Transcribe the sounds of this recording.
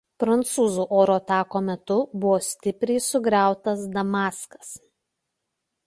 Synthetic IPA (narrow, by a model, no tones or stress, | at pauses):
pɾɐnˑt̪suːzuːʔoːɾoːt̪ɑːkoːmʲɛt̪ʊbʊʋoːsʲt̪ʲɪpʲɾʲɛɪsʊɡɾʲæˑʊt̪ɐs̬d̪ɐmɑːskɐ̥s